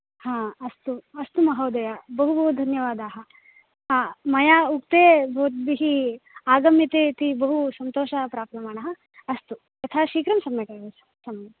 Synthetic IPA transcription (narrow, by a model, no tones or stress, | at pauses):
hãːɐst̪uɐst̪umɐɦɐːd̪ɐjabɐɦubɐɦud̪ʱɐnjɐʋaːd̪aːɦɐ̆ | ɦãːmɐjaːuk̚t̪eːbʱoːt̪̚biɦiaːɡɐmjit̪eːt̪ibɐɦusɐnt̪oːʃɐpɾaːpɾɐmaːɳɐɦɐ | ɐst̪u | ɐt̪ʰaːʃiːkɾɐmsɐmjɐkɐʋesɐ | sɐmjɐ